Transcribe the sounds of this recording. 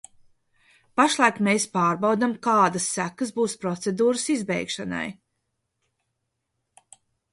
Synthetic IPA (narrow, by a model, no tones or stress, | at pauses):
paʃlˠajkmeːspaːɾbawd̪amkaːd̪asːækəsbuːspɾɔt̪sed̪uːɾɨsizbɛ̰jkʃana̰j